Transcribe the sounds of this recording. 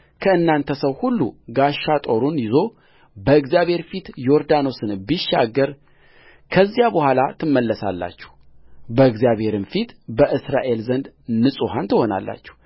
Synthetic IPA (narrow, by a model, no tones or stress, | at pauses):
kʰəɨnːant̪ʰəsəwhulːuɡaʃːat̪ʼo̞ɾunjɪzo̞ | bəɨɡzijaβhe̞ɾfit̪joɾd̪ano̞sɨnbiʃːa̰ɡəɾ | kʰəzːijabəhʷalat̪ʰɨmːəlːəsa̰lːa̰t͡ʃːɛ̥h | bəɨɡzijaβhe̞ɾɨnfit̪bəʔɨsɾaʔe̞lzənd̪nɨsʼuhant̪ʰəho̞na̰lːa̰t͡ʃːɛ̥